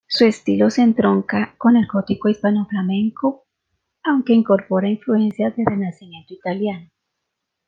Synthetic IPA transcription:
suest̪ilosent̪ɾoŋkakonaɾkot̪ikoispanoflamẽŋko | awŋkeiŋkoɾpoɾaiɱfluensjazðeðenasimjẽ̞nt̪oit̪aljano

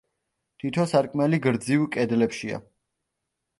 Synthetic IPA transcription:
t̪ʰit̪ʰɔsaɾkʼmɛliɡɾd̪zivkʼɛd̪lɛpʃia̰

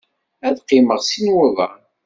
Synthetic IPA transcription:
æðqɪməʁsinwæðˤɑ

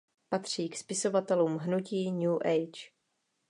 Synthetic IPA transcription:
pat̪r̝̥iːkspɪso̞vat̪ɛluːmɦnuciːɲjuːʔɛjt͡ʃ

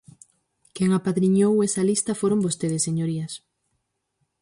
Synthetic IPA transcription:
keŋapaðɾiɲowesɐlist̪ɐfoɾombost̪eðɪsːeɲoɾiɐs

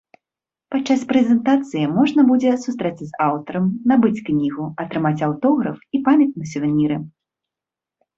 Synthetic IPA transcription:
pat͡ʂːaspɾɛzʲɛnt̪at̪sɨjimɔʐnɐbud͡zʲɛsust̪ɾɛt̪sʲɐzawt̪ɐɾɐmnabɨt͡sʲknʲiɣuɐt̪ɾɨmat͡sʲawt̪ɔɣɾɐfipamʲɐt̪̚nut͡sʲɐvmʲiɾɨ

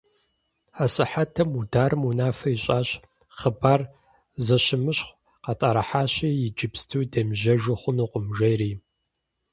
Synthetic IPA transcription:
aːsɨħatʰɐmudaːɾɨmunaːfɐiɕʼaːɕ | χəbaːr | zɐɕɪmɨɕχʷ | qɑtʼaɾɐħaːɕiːjɪd͡ʒɪpstʰɨwdɐmʒɐʒɨχʷʊnuːqʷʊmʒɐjriː

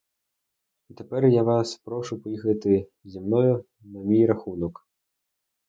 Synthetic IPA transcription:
t̪ɛpɛrjavaspɾɔʂupɔjixɐt̪ɨ | zʲimnɔju | nɐmʲijɾaxunɔk

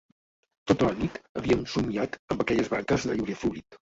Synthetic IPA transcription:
t̪ot̪ələnit̪əβiəmsumiat̪əmbəkɛʎəzβaŋkəzðəʎuwɾiəfluɾit̪

